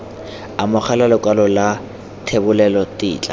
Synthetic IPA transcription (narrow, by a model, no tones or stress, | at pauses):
amʊχʰalalʊkʼalɔla | tʰebʊlɛlɔtɪ̰ːt͡ɬʼa̰